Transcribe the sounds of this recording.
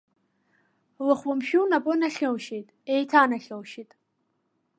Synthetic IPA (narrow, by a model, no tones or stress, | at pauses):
lɨχʷwʊmʃᶣunapʼʊnaɬʲɨlʃejtʼejtʰaːnaɬʲɨlʃitʼ